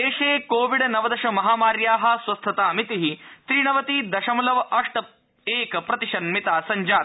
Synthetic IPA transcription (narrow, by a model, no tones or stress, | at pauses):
eːʃeːkoːʋiɖnɐʋɐd̪ɐʃɐmɐɦaːmaːɾjaːɦɐ̆sʋɐst̪ʰɐt̪aːɐmit̪iɦit̪ɾiːɳɐʋɐt̪iːd̪ɐʃɐmɐlɐʋɐʂʈɐ | eːkɐpɾɐt̪iʂɐnmit̪aːsɐɲd͡ʒaːt̪